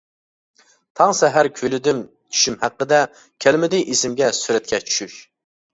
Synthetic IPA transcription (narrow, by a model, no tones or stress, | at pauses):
t̪ʰɑŋsɛɦæɾkʲʰølɪd̪ym | t͡ʃʰy̥ʃymhæqːəd̪ɛ | kʲʰælmɪd̪ɪjʔesɪmɡʲɛsyɾɛt̪̚kʲʰɛt͡ʃʰy̥ʃyʃ